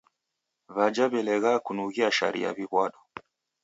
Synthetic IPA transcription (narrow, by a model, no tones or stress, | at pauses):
βad͡ʒaβɛlɛɣakunuɣiaʃa̰ɾḭja̰βiɣwaɗɔ